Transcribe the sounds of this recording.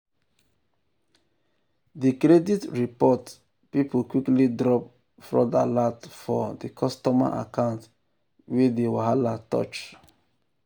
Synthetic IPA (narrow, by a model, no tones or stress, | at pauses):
dikɾɛditɹipɔt | pipokwiklidɾɔp | fɹɔ̰da̰latfɔdikʰɔstɔma̰ʔa̰kãʊ̃nt | wedewaɦalatɔ̰t͡ʃ